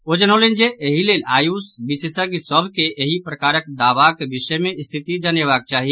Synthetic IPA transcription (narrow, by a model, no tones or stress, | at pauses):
od͡ʒənolend͡ʒeʔeɦilelajusbisesakisəbʱkeeɦipɾəkaɾəkd̪aʋakebiʃəjmeist̪ʰit̪id͡ʒanjəβak̚t͡ʃaɦi